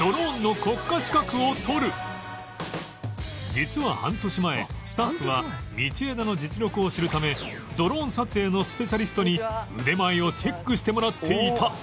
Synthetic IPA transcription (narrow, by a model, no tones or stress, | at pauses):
d̪̥o̞ɾõ̞nːo̞ko̞kːaɕi̥kakɯ̟o̞t̪ʰo̞ɾɯ̟ | d͡ʑit͡sɨβahã̰nt̪o̞ɕimae̞̰sɨ̥t̪aɸɯ̟ɡamʲit͡ɕie̞d̪ano̞d͡ʑit͡sɨɾʲo̞kɯ̟o̞ɕiɾɯ̟t̪ame̞ | d̪o̞ɾõ̞ɰ̃sat͡sɨeno̞sɨ̥pe̞ɕaɾʲisɨ̥t̪o̞ɲ̟iɯ̟d̪e̞maio̞t͡ɕe̞kːɯ̟ɕi̥t̪e̞mo̞ɾat̪ʰːe̞it̪ʰa